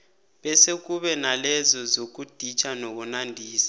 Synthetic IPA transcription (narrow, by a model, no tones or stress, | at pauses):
ɓɛsek̬uɓɛnalɛzɔzok̬ud̥ʱit͡ʃʰʼanok̬unandʱiːsḁ